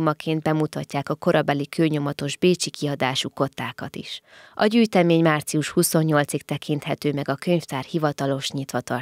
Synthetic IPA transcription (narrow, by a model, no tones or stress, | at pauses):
mɒkʰeːnd̪̚bɛmut̪ɒcːaːkɒko̞ɾɒbɛlikøːɲo̞mɒt̪o̞ʒbeːt͡ʃikiɒd̪aːʃuko̞t̪ːaːkɒt̪ḭʃʔɒɟyːjt̪ɛmeːɲmaːrt̪siuʃhuso̞ɲːo̞lt̪sik̚t̪ɛkʰint̪hɛt̪øːmɛɡɒkø̞ɲft̪aːrhivɒt̪ɒlo̞ʃɲit̪ʋɒt̪ɒ̰r